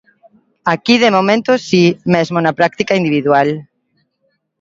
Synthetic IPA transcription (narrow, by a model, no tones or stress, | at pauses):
akið̞emomẽnt̪osimezmonapɾak̚t̪ikaind̪iβiðwal